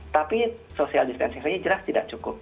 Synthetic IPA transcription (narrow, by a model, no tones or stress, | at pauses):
t̪api | sosialdist̪ɛ̰nsiŋsaɲad͡ʒəlast̪idak̚t͡ʃukʊp̚